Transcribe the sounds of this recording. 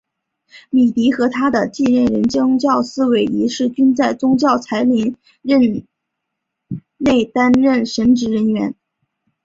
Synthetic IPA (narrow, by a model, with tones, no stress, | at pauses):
li˨˩t̪i˧˥xɤ˧˥t̪ʰa˥d̪ə˨t͡ɕi˥˧nɻə˥˩nɻə˧˥nt͡ɕjɑ˥ŋt͡ɕjɑ˥˩ʊsɹ̩˥we˨˩ɪi˧˥ʂɻ̩˥˩t͡ɕy˥nt͡sa˥˩ɪt͡sʊ˥ŋt͡ɕjɑ˥˩ʊt͡sʰa˧˥ɪli˧˥ŋ | ɻə˥˧n | ne˥˩ɪt̪a˥nɻə˥˩nʂə˧˥nʈ͡ʂɻ̩˧˥ɻə˧˥nɥɛ˧˥n